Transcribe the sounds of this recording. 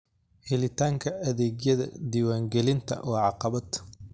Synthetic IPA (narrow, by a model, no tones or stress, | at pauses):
hɪlɪt̪ʰaːŋkʰɐʔɐðɛːɡjɐðɐ̰d̪iːwaːŋɡɛlɪnt̪ʰɐ̰wɑːʕɑqɑβɐd̪